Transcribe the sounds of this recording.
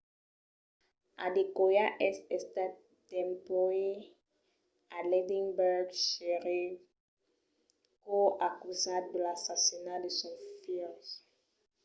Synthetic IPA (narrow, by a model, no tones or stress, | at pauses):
a̰dekojaʔɛsɛst̪a | d̪ɛ̃mpɔe | aledĩŋbɛɡʃeɾiv | koʔakuzat̚d̪əlasasinad̪esɔ̃fils